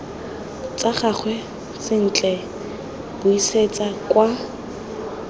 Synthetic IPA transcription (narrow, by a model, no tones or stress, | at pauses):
t͡sʼaχak͡xʰwɛ | sɪn̩t͡ɬʼɛ | b̥ʊiset͡sʼakwa